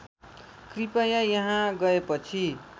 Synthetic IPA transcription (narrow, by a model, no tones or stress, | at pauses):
kripajajʌɦãɡʌepʌt͡sʰi